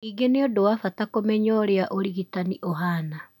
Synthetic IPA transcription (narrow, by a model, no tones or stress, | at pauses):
iɡeneodowafatakomɛɲɔɾeaʔoɾiɣitaniʔoɦana